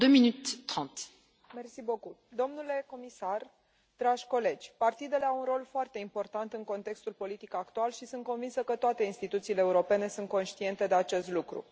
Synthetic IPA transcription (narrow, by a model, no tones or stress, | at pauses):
d̪øminyt̪ːχɑ̃t̪ | mersibokud̪o̞mnule̞ko̞misar | d̪̥ɾaʒʲko̞le̞d͡ʒʲpart̪id̪e̞le̞awunro̞lfoart̪e̞impo̞rt̪ant̪ɨŋko̞nt̪e̞kst̪ulpo̞lit̪ikəakt̪ualʃisunt̪̚ko̞nvinsəkət̪oat̪e̞inst̪it̪ut̪siːleːuɾo̞pe̞ne̞sunt̪̚ko̞nʃt̪ie̞nt̪e̞d̪e̞at͡ʃe̞st̪lukɾṵ